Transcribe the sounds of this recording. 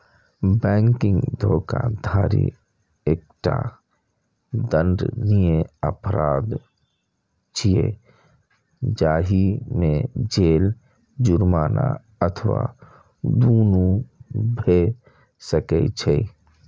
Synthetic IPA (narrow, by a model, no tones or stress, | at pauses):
bɛ̃ːŋkɪ̃ŋɡd̪ʱoːkad̪ʱaːɾḭ | eːk̚ʈa̰ | d̪ə̃nɖnijẽə̰pɾaːd̪ | t͡ʃʰiḛ | d͡ʒaːɦimẽd͡ʒeːl | d͡ʒʊɾmaːna̰ | ət̪ʰʋwa̰ | d̪uːnubʱe | səkɛ̰t͡ʃʰɛ